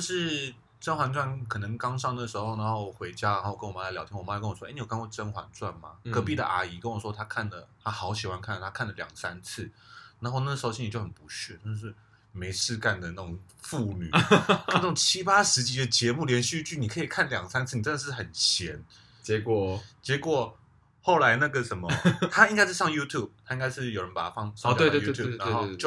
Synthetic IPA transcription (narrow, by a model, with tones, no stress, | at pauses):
t͡ɕo˥˧ʂɻ̩˥˩ | ʈ͡ʂə˥nxwa˧˥nt͡swa˥˩nkʰɤ˨˩nə˧˥ŋkɑ˥ŋʂɑ˥˩ŋnə˩ʂɻ̩˧˥xo˥˩ʊna˧˥nxo˥˩˨xwe˧˥ɪt͡ɕja˥la˧˦nxo˥˩kə˥nwma˥ljɑ˨˥ʊji˥wɔ˨˩ma˧˥˨kə˥nwɔ˨˩wni˧˨˩kʰnkwa˥˩ʈ͡ʂə˥nxwa̰˧˦nt͡swa˥˩nma˨˩ɡɤ˧˥pi˥˩d̪ə̰˨˩ʔa˨˩i˧˩kə˧˥nwɔ˨˩ʂwɔ˥t̪ʰa˥kʰa˥˩nlə˩t̪ʰa˦˥xɑ˧˥ʊɕi˨˩wa˧˦nkʰa˥˩nlə˩a˥kʰa˥˩nlə˩ljɑ̰˨˩ŋsa̰˦˥nt͡sʰɹ̩˥˩na˨˦nxo˥˧na˥˩ʂ̩ɻ̩˧˥o˥˧ɕi˧˥n˨˩jo˥˩ʊxə˨˩npu˧˥ɕɛ˥˩t̪a˥˧ʂɻ̩˥˩ | me˧˥ɪʂɻ̩˥˧ka˥˩nd̪ə˩na˥˩ʈ͡ʂʊ˨˩ŋ | fu˥˩ny̰˨˩˥na˥˩ʊ˨˩ŋt͡ɕʰi˦˥pa˥ʂɻ̩˧˥t͡ɕi˧˥d̪ə˨t͡ɕjɛ˧˥mu˥˩ljɛ˧˥nɕy˥˧t͡ɕy˥˩ni˨˩kʰɤ˧˥i˨˩kʰa˥˩nljɑ˨˩ŋɡsa˥nt͡sʰɹ̩˥˩n˨˩ʈ͡ʂə˥nd̪ə˨˩ʂ̩˥˩xə˨˩nt͡ɕʰjɛ˧˦n | t͡ɕɛ˧˦˥kɔ˨˩t͡ɕjɛ˧˥kwɔ˨˩ | xo˥˩ʊla˧˦˥ɪna˥˩ɡə˨ʂə˨˦nmə˨˦t̪ʰa˥i˥ŋka˥ɪʂɻ̩˥˧ʂɑ˥˧ŋju˥t̪ʰju˥˩b̚t̪ʰa˥i˥ŋɡa˥ɪʂɻ̩˥˩jo˨˩ɻə˧˦npa˨˩t̪a˦fɑ˥˧ŋsɑ˥ɔ˨˧t̪e˧t̪wju˥˧ju˥˧n˧˥˦xo˥˧ʊt͡ɕjo˥˧˩